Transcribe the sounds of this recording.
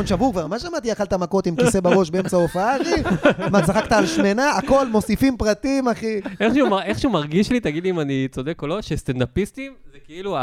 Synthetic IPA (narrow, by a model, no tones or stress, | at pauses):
onʃavukvaʁmaʃamat̪iaχalt̪amako̞t̪imkise̞baʁo̞ʃbeemt͡saofaaʁimasaχakt̪aːlʃme̞naːko̞lmo̞sifimpʁat̪imaχieχʃeumaeχʃeumaʁɡiʃlit̪aɡid̪liːmanit͡so̞d̪e̞kolo̞ʃest̪and̪apist̪imzekeilu